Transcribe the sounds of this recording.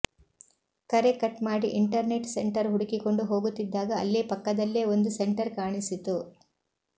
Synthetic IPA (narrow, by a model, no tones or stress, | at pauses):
kɐɾekɐʈmaːɽiʔiɳʈɐɾneʈseɳʈɐɾɦuɽikiko̞ɳɖuɦo̞ːɡut̪ːid̪ːaːɡɐːlːeːpɐkːɐd̪ɐlːeːo̞nd̪useɳʈɐɾkaːɳisit̪u